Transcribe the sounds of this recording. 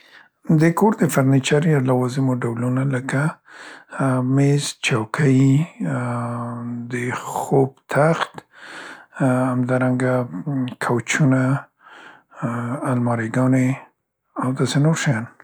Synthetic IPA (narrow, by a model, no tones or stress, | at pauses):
d̪əkoɾd̪əfaɾnit͡ʃaɾjalawɑzimoɖawlunaləka | mezt͡ʃawkʰəj | d̪əxobt̪ʰaxt̪ | amd̪ɑɾaŋɡakʰawt͡ʃuna | lmɑɾeɡɑne | awd̪ɑsenoɾʃajɑn